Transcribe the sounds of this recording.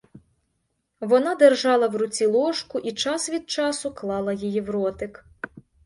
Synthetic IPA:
ʋɔnɑd̪erʒɑlˠɐwrʊt͡sʲilˠɔʃkʊʔit͡ʃɑsʋʲid̪̚t͡ʃɑsʊklˠɑlˠɐjijiʋrɔt̪ɪk

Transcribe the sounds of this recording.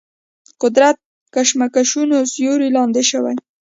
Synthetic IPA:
qʊd̪ɾat̪̚ | kaʃmakaʃunozjoɾilɑnd̪eʃəwa̰j

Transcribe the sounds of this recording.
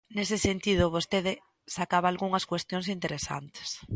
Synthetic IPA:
nesesent̪ið̞ʊβost̪eðɪ | sakaβ̞aːlɣuŋɐskwest̪jõnsint̪eɾesa̰nt̪e̥s

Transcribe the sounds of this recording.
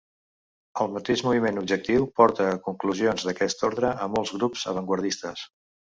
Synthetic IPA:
əlˠmət̪eʒmuβ̞imenub̚d͡ʒək̚t̪iwpɔɾt̪əːkuŋkluzionzðəkɛst̪oɾðɾəəmolˠzɣɾupz̥ə̰βəŋɡwəɾð̞ist̪əs

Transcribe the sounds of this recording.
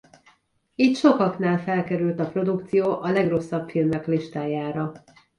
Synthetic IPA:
it̪ʃo̞kɒknaːlfɛlkɛɾylt̪ɒpro̞d̪ukt̪sijoːʔɒlɛɡro̞sːɒpfilmːɛkliʃt̪aːjaːɾɒ

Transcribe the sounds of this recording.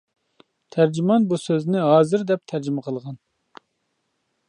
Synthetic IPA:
t̪ʰæɾd͡ʒimɑnbusøznɪɦɑːzɨɾd̪ɛp̚t̪ʰæɾd͡ʒimɪqʰəlˠʁɑn

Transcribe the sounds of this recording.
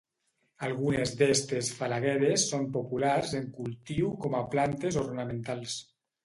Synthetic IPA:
alˠɣunezd̪ɛst̪esfalaɣɛɾesːompopularzeŋkulˠt̪iwkɔmaplant̪ezornamẽnt̪alˠs

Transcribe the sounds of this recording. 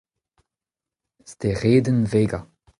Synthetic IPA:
st̪eʁeːdənveːɡa

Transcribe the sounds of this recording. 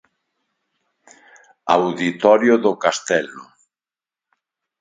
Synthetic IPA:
awðit̪ɔɾjʊðʊkast̪ɛlʊ

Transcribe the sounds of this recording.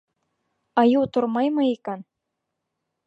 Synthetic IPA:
ɑjut̪ŭrmɑjmɤikɑn

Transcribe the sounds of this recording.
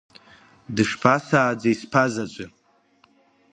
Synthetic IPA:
dɨʂpʰasaːd͡zaispʰazat͡ʃʷʼɪ

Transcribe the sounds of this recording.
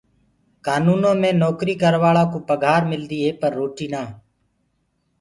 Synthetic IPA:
kaːnuːnõːmẽːnoːkɾiːkəɾʋaːɭãːkoːpəɡʱaːɾmɪld̪iːɦeːpəɾːoːʈiːnaː

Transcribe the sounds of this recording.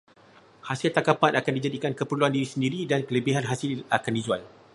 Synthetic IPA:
hasɪlt̪akapanakandid͡ʒadikankəpərluandiɾisəndiɾidankələbiɦanɦasɪlakandid͡ʒua̰l

